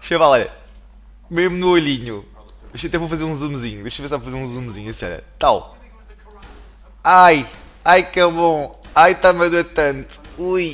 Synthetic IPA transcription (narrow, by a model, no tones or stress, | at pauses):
ʃevalˠɛʎɐ̰ | meʒmunuoʎiɲu | eʃɐt̪ɛvofɐzeɾũzumziɲud̪eʃɐvesavɐfɐzeɾũzumziɲuɐsiɲɔ̰ʎɐ̰t̪alˠ | aj | ajkɛβõajt̪amɐðuɐt̪ɐ̃nt̪u̥uj